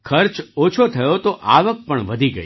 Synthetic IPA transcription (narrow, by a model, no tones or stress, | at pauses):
kʰəɾt͡ʃot͡ʃʰot̪ʰəjot̪oʔaʋək̚pəɳʋəd̪ʱiɡə̰i